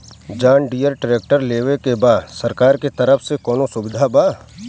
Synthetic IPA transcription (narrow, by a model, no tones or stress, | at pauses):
d͡ʒaːɳɖijəɾʈɾeːk̚ʈəɾleːʋekebaːd̪sɐɾkaːɾket̪ɐɾəfʰsekɔːnosʊbɪd̪ʱabaː